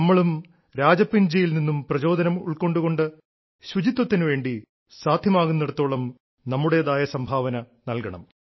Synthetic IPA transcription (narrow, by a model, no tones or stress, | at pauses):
ɐmːɐɭum | ɾaːd͡ʑɐpːind͡ʑijilninːumprɐt͡ɕo̞ːd̪ʱɐnɐmṵɭko̞ɳɖuɣo̞ɳɖɨ | ɕud͡ʑit̪ːwɐt̪ːinɨʋe̞ːɳɖi | saːd̪ʱjɐmaːɣunːeɽɐt̪ːo̞ːɭɐm | nɐmːuɽe̞jɐðaːjɐsɐmbʱaːʋɐnɐ | nɐlkɐɳɐ̰m